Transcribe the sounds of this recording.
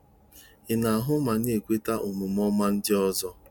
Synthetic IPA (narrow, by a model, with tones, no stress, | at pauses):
ɪ˨na˨a˨ɦʊ˦ma˨n˦e˨kʷe˦ta˦ʔu˨mu˨m˦ɔ˦ma˦n̩˦dɪ˦ɔ˦zɔ˦